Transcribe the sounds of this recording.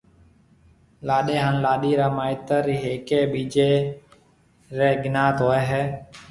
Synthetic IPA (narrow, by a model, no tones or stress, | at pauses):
laːɗeːɦaːnlaːɗiːɾaːmaːɪt̪əɾiːɦeːkeːɓiːd͡ʒeː | ɾeːɡɪnaːt̪ɦoːeːɦɛː